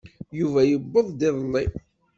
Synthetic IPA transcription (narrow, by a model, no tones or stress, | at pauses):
juvæjəbːəðˤd̪ɪðˤnːi